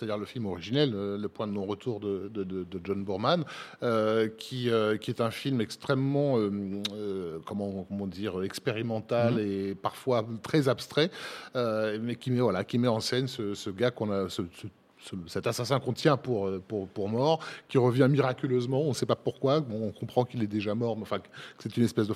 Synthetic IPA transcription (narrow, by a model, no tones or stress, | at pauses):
sɛt̪ad̪iʁləfilmɔʁiʒinɛløːəpwɛ̃d̪ənɔ̃ʁət̪uʁd̪əd̪əd̪əd̪əd͡ʒɔnbuʁmanøkʲʰiøkʲiɛt̪ɛ̃filmɛkst̪χɛmːɑ̃ø | kɔmɑ̃kɔmɑ̃d̪iːʁøɛkspeʁimɑ̃t̪alepaʁfwat̪χɛzapst̪χɛømɛkʲimɛvwalakʲimɛɑ̃sɛnsəsəɡakɔ̃nasəsə | səsɛt̪asasɛ̃kɔ̃t̪jɛ̃puʁøpuʁpuʁmɔʁkʲiʁəvjɛ̃miʁakʲyløzmɑ̃ɔ̃nsɛpapuʁkwabɔ̃ɔ̃kɔ̃pχɑ̃kilɛd̪eʒamɔʁmɛɑ̃fɛ̃kkə̥sɛt̪ynɛspɛsd̪ə